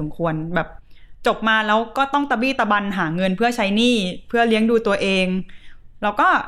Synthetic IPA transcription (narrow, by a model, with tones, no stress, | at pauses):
o˩˦mkʰu˧ənbɛː˨˩p̚t͡ɕo˨˩p̚maː˧lɛː˦˥wkɔː˥˩t̪ɔ˥˩ŋt̪a˧wiː˥˩t̪a˧ba˧nɦaː˩˦ŋɤ˧npʰɯ˥˩ɐt͡ɕʰa˦˥jniː˥˩pʰɯ˥˩ɐli˦˥əŋduː˧t̪u˧ɐʔeː˧ŋlɛː˦˥wkɔː˥˩